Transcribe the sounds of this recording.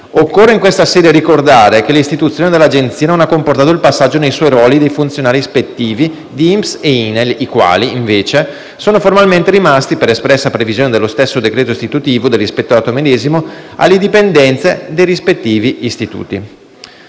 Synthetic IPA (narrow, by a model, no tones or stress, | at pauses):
okːorːeiŋkwest̪asɛːd̪jeɾikord̪aːɾekelist̪it̪ut̪sjoːned̪elːad͡ʒent̪siːanonakːomport̪aːt̪oilpasːad͡ʒːonejswɔjɾwɔːlid̪ejfunt̪sjonaːɾispet̪ːiːvi | d̪iimseinelikwa̰ːliːɱveːt͡ʃe | soːnoformalment̪eɾimast̪ipeɾespɾɛsːapɾevizjoːned̪elːost̪esːod̪ekɾeːt̪oist̪it̪ut̪iːvod̪elːispet̪ːoɾat̪omed̪eːzimoa̰lːed̪ipend̪ɛnt̪sed̪ejrispet̪ːiːviist̪it̪ṵːt̪ḭ